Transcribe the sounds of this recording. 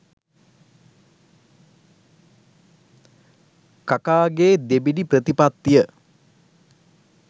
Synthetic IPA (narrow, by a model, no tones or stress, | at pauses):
kakaːɡeːd̪ebiɖiprət̪ipat̪ːijə